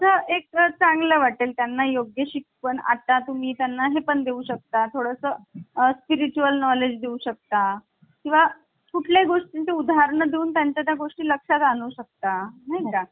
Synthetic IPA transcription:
əʔek̚t͡sãŋɡləʋaʈeːlt̪janːajoɡjəɕikpəɳa̰t̪at̪um̤iːt̪janːaɦepəɳd̪euːɕək̚t̪at̪ʰoɽəsəːspiɾit͡ɕuəlnɔled͡ʑd̪eũɕək̚t̪a | kĩw̃ʋa | kuʈʰlaɡoʂʈint̪eud̪ʱaaɾɳəd̪euːnt̪jaɲt͡ɕat̪jaɡoʂʈiːləkʂat̪anuːɕək̚t̪anaɦika

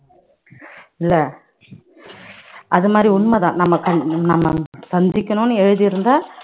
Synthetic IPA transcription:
ɪlːɐ | ʔɐðɯmaːd̪ɾiʊɳmɐðã̰ːnɐmːɐkɐnɐmːɐsɐɲd͡ʒɪkʲːɐnʊ̃nːɯɛɻɯðɯjɪɾɯnd̪aː

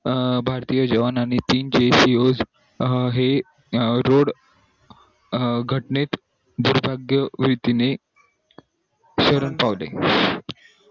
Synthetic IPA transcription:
bʱaɾt̪ijəd͡ʑəʋanañit̪iːnd͡ʑesiod͡z | ɦe | ɾoɽ | ɡʱəʈnet̪ | d̪uɾbʱaɡjəʋɾit̪ine | ɕəɾəɳpaʋlḛ

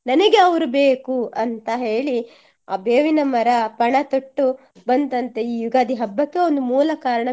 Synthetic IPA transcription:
nɐnɐɡe̞ɐʋɾubeːkuʔɐnt̪ɐɦe̞ːɭi | aːbeːʋinɐmɐɾɐpɐɳɐt̪oʈːu | bɐnt̪ɐnt̪eiːjuɡaːd̪ʱiɦɐbːɐkːe̞ond̪umuːlɐkaːɾɐɳɐ

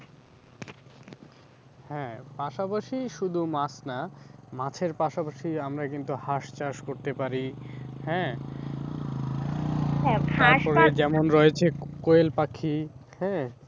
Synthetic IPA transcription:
hɛ̃paʃapaʃiʃud̪ʱumat͡ɕnamãt͡ɕʰeɾpaʃapaʃiamɾakint̪uhaʃt͡ɕaʃkoɾt̪epaɾihɛ̃ | ɦɛt̪aɾʃppɔɾed͡ʑɛmonɾɔet͡ɕʰekoelpakʰːihɛ̃

